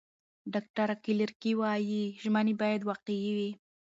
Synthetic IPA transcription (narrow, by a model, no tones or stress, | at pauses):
ɖɑk̚ʈaɾakilɪɾkiwɑjiʒmanebɑjad̪wɑqejiwi